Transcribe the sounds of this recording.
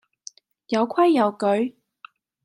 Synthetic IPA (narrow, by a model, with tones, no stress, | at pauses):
jɐ˨˧wkʰwɐ˥jːɐ˨˧wkɵ˨˥ɥ